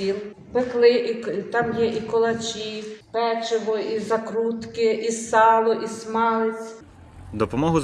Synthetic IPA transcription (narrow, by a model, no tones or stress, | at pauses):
ilˠ | peklˠɪit̪ɑmjɛʔikɔlˠɐt͡ʃʲipɛt͡ʃeʋɔizɐkɾut̪kɪʔisɑlˠɔʔismɑlˠɪt͡sʲ | d̪ɔpɔmɔɦʊz